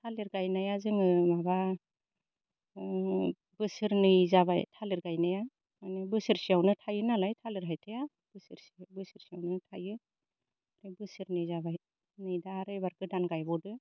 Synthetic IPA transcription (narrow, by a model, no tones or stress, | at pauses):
tʰaliɾɡajnajazɯŋɯmaba | b̥ɯsɯɾnɯjzabajtʰalɯɾɡajnaja | manɯbɯsɯɾsiawnɯtʰajɯnalajtʰalɯɾɦajtʰaja | b̥ɯsɯɾsibɯsɯɾsiawnɯtʰajɯ | lebɯsɯɾnɯjzaβaj | nɯjdaːɾɯjbaɾɡɯdanɡajbɔdɯ